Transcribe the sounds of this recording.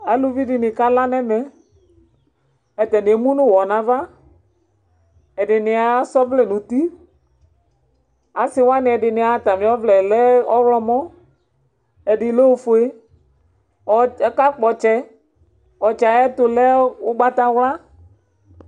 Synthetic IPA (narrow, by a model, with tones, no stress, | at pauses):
a˨lu˦vi˦dɪ˨nɪ̃˨ka˦la˦nɛ˦mɛ˨ | ɛ˨tɛ˨nɪ˨e˨mũ˦nʊ̃˦˨wɔ˨nã˨va˦ | ɛ˨dɪ˨nɪ˨a˨˦sɔ˦vlɛ˨nʊ̃˨ti˦ | a˨sɪ˦wa˦nɪ̃˨ɛ˨dɪ˨nɪ̃˨a˨˦˨ta˨mɪ̃˨˦ɔ˦vlɛ˨lɛ˦ɔ˦wlɔ˦mɔ̃˦ | ɛ˨dɪ˨lɛ˦fʊ˨e˦ | ɔ˦ɛ˦ka˦k͡pɔ˨t͡ʃɛ˦ | ɔ˨t͡ʃa˨ɛ˦tʊ˨lɛ˦ʊ˦ɡ͡ba˦ta˦wla˦